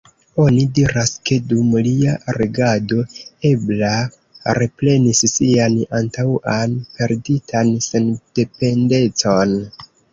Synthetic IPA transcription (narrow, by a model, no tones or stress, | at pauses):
o̞nidiɾaske̞dumliaɾeɡadoe̞bla | ɾe̞ple̞nissianantawanpe̞ɾditʰansend̥e̞pe̞nde̞t͡so̞n